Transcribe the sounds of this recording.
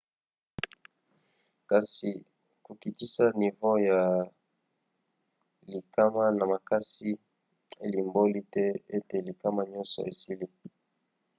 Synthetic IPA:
ka˨si˨ | ku˨ki˨ti˦sa˦ni˨vo˦ja˨ | li˨ka˦ma˦na˨ma˨ka˦si˦ | e˦li˨mbo˦li˦tɛ˦e˦te˨li˨ka˦ma˦ɲɔ˦nsɔ̰˨e˨si˦li˦

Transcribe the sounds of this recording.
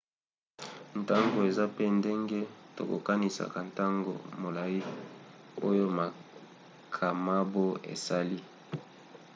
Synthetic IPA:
n˨ta˦ŋɡo˨e˨za˦pe˦nde˦ŋɡe˦to̰˨ko̰˨ka˦ni˨sa̰˨ka˨n˨ta˦ŋɡo̰˨mo˨la˨ji˦ | o˦jo˦ma˨ | kʰa˨ma˦bo˦ḛ˨sa˦li˦

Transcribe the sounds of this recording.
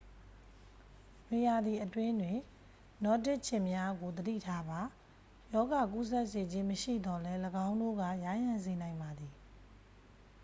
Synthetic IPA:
me˨ja˨d̪ði˨ʔətwɪ̃˦ndwɪ̃˨ | nɔ˦˨tɪ˦ʔt͡ɕʰɪ̃˦˨mja˦ɡo˨d̪ədḭ˦˨tʰa˦ba˨ | jɔ˦ɡa˨k̬u˦s̬ɛ˦ʔse˨d͡ʑɪ̃˦məʃḭ˦˨d̪ɔ˨lɛ˦ləɡã˦ʊ̃ndo̰˦˨ɡa̰˦˨ja˨˦jã˨nze˨nã˨ɪ̃mba˨d̪i˨

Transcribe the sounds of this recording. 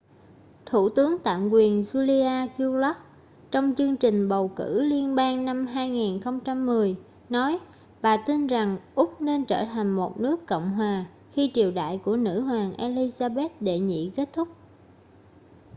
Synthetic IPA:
t̪ʰu˧˩t̪ɨ˨˦əŋt̪a̰ː˧˨mkwi˨˩ənzu˧li˧ʔaː˧ki˧wla˦˥k̚ | t͡ɕɔ˧wŋ͡mt͡ɕɨ˧əŋt͡ɕï˨˩ŋ̟ɓə˨˩wkɨ̰˧˩li˧ənɓaː˧ŋna˧mɦaː˧jŋiː˨˩nxə˧wŋ͡mt͡ɕa˧mːɨ˨˩əj | nɔ˨˦j | ɓaː˨˩t̪i˧nza˨˩ŋʔʊ˦˥k͡p̚ne˧nt͡ɕəː˧˩t̪ʰa˨˩jŋ̟mo˨˩t̚nɨ˦˥əkːɔ̰˧˨wŋ͡mɦwaː˨˩ | xi˧t͡ɕi˨˩əwɗa̰ː˧˨jku˧˩ənɨ̰˧˥ɦwaː˨˩ŋʔe˧li˧zaː˧ɓe˦˥t̚ɗe˧˨ɲḭ˧˨ke˦˥t̚t̪ʰʊ˦˥k͡p̚

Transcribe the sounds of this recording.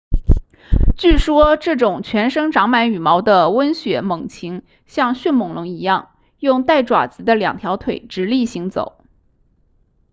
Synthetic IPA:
t͡ɕy˥˩ʂwɔ˥ʈ͡ʂɤ˥˩ʈ͡ʂʊ˨˩ŋt͡ɕʰɥɛ˧˥nʂɤ˥ŋʈ͡ʂɑ˧˥ŋma˧˥ny˨˩mɑ˧˥ʊd̪ə˧wə˥nɕɥɛ˧˥mɤ˨˩ŋt͡ɕʰi˧˥ŋ | ɕjɑ˥˧ŋɕy˥˩nmʊ˨˩ŋlʊ˧˥ŋi˧˥jɑ˥˩ŋ | jʊ˥˧ŋt̪a˥˩ɪʈ͡ʂwa̰˨˩t͡sɹ̩˧˥d̪ə˧ljɑ̰˨˩ŋt̪ʰjɑ˧˥ʊt̪ʰwe˨˩ɪʈ͡ʂɻ̩˧˥li˥˩ɕi˧˥ŋt͡so̰˨˩˦ʊ

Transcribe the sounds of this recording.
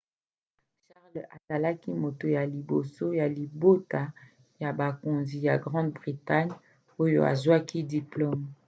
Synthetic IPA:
ʃa˦ʁlʔa˨za˨la˦ki˦mo˨to˨ja˨li˨bo˨so˦ja˨li˨bo˦ta˨ | ja˨ba˨ko˨nzi˨ja˨ɡʁɑ̃˦dbʁi˨ta˦ɲ | o˦jo̰˨a̰˨zwa˦ki˦di˨plo˦m

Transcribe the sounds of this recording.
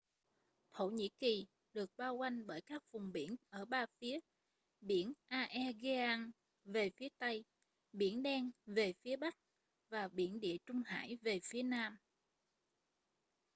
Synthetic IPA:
t̪ʰo̰˧˩˨ɲḭ˧˥ki˨˩ | ɗɨ˨˩ək̚ɓaː˧wka˧jŋ̟ɓəː˧˩jkaː˦˥k̚vʊ˨˩ŋ͡mɓḭ˧˩ənʔəː˧˩ɓaː˧fi˨˦ə | ɓḭ˧˩ənʔaː˧ʔɛ˧ɣe˧ʔa˧ŋ | ve˨˩fi˨˦ət̪a˧j | ɓḭ˧˩ənɗɛ˧nve˨˩fi˨˦əɓa˦˥k̚ | vaː˨˩ɓḭ˧˩ənɗḭ˧˨ət͡ɕʊ˧ŋ͡mha̰ː˧˥˨jve˨˩fi˨˦ənaː˧m

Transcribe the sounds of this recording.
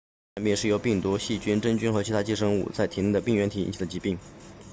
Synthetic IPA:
nmjɛ˥˧nʂɻ̩˥˩jo˧˥ʊpi˥˩ŋt̪u˧˥ɕi˥˩t͡ɕy˥nʈ͡ʂə˥ŋt͡ɕy˥nxɤ˧˥t͡ɕʰi˧˥t̪ʰa˥t͡ɕi˥˩ʂɤ˥ŋṵ˥˧˩t͡sa˥˩ɪt̪ʰi˧˥ni˥˩d̪ə˩pi˥˩ŋɥɛ˧˥nt̪ʰi˨˩ḭ˥nt͡ɕʰi˩ə˧t͡ɕi˧˥pi˥˩ŋ

